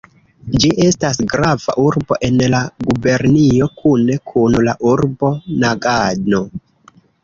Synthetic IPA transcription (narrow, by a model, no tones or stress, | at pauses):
d͡ʒiʔe̞stasɡɾava̰ʔuɾbo̞ʔe̞nlaɡube̞ɾnio̞kʰune̞kʰunlaʔuɾbo̞naɡano̞